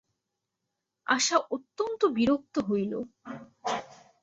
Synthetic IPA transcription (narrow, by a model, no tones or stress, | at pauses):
a̰ʃaʔot̪ːont̪obiɾok̚t̪oɦojlo̰